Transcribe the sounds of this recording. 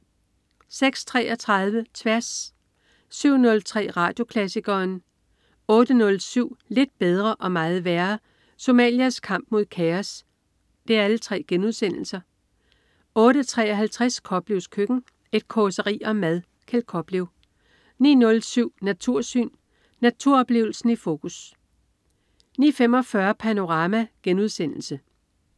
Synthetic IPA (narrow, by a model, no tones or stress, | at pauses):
seɡ̥st͡sʰʁɛ̰ːʔɒ̽t͡sʰʁɑ̈ðˠʋət͡sʰʋæɐsː | yʊ̰nɔ̽lt͡sʰʁɛ̰ːʁɑ̈ːd̥jo̝kʰlæsiɡ̥ɐːn | ɔ̽ːd̥ənɔ̽lsyʊ̰le̝d̥̚b̥eð̞ˠʁɐʔɒ̽mɑ̈ːð̩ˠʋæɐ | so̝mɛ̰ːljiæskʰɑ̈m̰b̥̚mo̝ð̞̰ˠkʰæɐs | d̥e̝æɐælət͡sʰʁɛ̰ːɡ̥enuð̞ˠsen̰l̩sɐ | ɔ̽ːɾət͡sʰʁɛ̰ːɒ̽ɦælt͡sʰʁaskʰɒ̽b̥liʊskʰøɡ̥n̩ | e̝d̥̚kʰɒsəʁḭːɒ̽mæð̞ˠ | kʰelkʰɒ̽b̥liʊ | nḭːnɔ̽lsyʊ̰næt͡sʰuɐ̰sy̰ːnː | æt͡sʰuɐ̰ɒ̽b̥le̝̰ːʊl̩sn̩ifo̝ːkʰus | nḭːfem̰ɒ̽fɶɐpʰæno̝ʁɑ̈ːmæɡ̥enuð̞ˠsen̰l̩sə